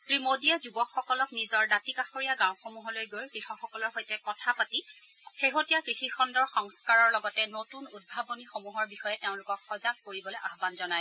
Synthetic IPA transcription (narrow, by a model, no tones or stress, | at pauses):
sɹimodijazubɔkxɔkɔlɔknizɔɹdatikaxoɹijaɡãw̃xomuɦɔlojɡojɹkɹixɔxɔkɔlɔɹɦojtɛkɔtʰapati | xeɦotijakɹixixʰɔndɔɹxɔŋskaɹɔɹlɔɡɔtɛnotunud̚bʱabonixomuɦɔɹbixɔjɛteʊ̃lʊkɔkxɔzak̚koɹibɔlojʔaɦbanzɔnaj